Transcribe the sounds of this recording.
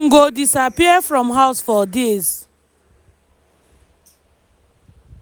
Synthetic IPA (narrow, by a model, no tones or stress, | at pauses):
ŋ̩ɡodisapiəfɹɔ̃mɦaʊsfɔdez